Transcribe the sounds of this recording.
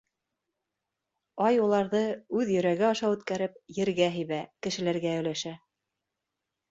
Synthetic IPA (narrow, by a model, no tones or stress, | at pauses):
ɑjulˠɑɾðɤʉðjɵ̆ɾæɡɘɑʃɑwʉt̪kæɾɘp̚jɘ̆ɾɡæɦɘ̆jβækɘ̆ʃɘ̆læɾɡæɵ̆jlæʃæ